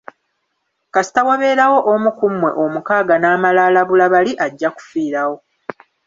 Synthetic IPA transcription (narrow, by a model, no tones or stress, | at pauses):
kasi̥tawaβe̞ːɾawo̞ʔomukumːwe̞̰ʔo̞mukaːɡanaːmalaːlaβulaβaliʔaɟːaku̥fiːɾawo̞